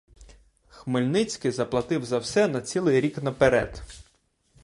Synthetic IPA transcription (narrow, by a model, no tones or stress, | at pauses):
xmɪlʲnɪt͡sʲkɪzɐplˠɐt̪ɪwzɐwsɛnɐt͡sʲilˠɪjɾʲiknɐpeɾɛ̰d̪̥